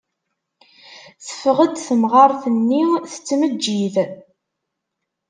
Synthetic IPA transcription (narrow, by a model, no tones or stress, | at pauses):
θə̥fʁəd̪θəmʁɑɾˤθənːiθə̥t͡sːməd͡ʒːið